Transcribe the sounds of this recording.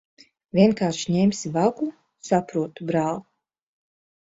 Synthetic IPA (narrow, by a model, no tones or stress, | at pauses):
vʲiɛnkaːɾʃɲemsʲivaɡu | sapɾuɔt̪ubɾaːlˠu